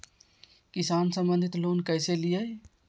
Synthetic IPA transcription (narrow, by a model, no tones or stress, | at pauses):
kisansə̃mbənd̪ʱit̪lonkəjselijəj